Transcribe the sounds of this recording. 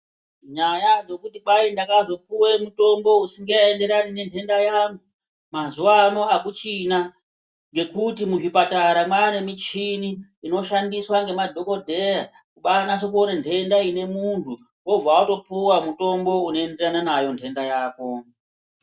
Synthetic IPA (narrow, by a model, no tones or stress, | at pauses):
ɲajad͡zo̞kutiɓaindakazo̞puwe̞muto̞mbo̞usiŋɡeende̞ɾanine̞ntʰe̞ndajaŋu | mazuwano̞akut͡ʃina | ŋɡe̞kutimuʐipataɾamwane̞mit͡ʃiniːno̞ʃandiswaŋɡe̞madʱo̞ko̞dʱe̞ja | kuɓanaʃek̬uo̞nantʰe̞ndaine̞muntʰu | wo̞vawato̞puwamuto̞mbo̞uno̞enderananajo̞ntʰe̞ndajaːko̞